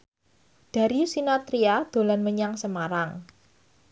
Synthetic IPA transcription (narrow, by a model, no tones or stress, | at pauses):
d̥a̤ɾiusinat̪ɾiad̪̥o̤lanməɲaŋsəmaɾaŋ